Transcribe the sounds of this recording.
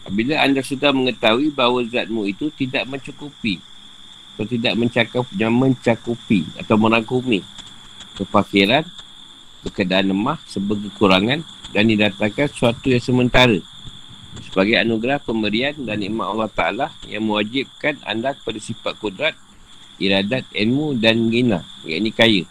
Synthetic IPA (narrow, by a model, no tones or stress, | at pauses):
bilaandasudahməŋət̪auibaɦwəzat̪̚mũit̪ut̪idaʔmə̃ɲt͡ʃukupi | at̪awt̪idaʔmə̃ɲt͡ʃakap̚jaŋməɲt͡ʃakupia̰t̪awmə̃ɾaŋkumi | kəfakiɾan | bəkədaʔːnləmahsəbaɡikuɾaŋan | dandidat̪aŋkansuat̪ujaŋsəmə̃nt̪aɾə | səbaɡajanuɡɾahpəmbəɾiandanĩʔma̰ʔalaht̪aa̰laja̰ŋmə̃wad͡ʒɪp̚kana̰ndakə̥padasifat̪̚kudɾat̪̚ | iɾadat̪̚ɛnmudanɡinaja̰ʔnĩkajə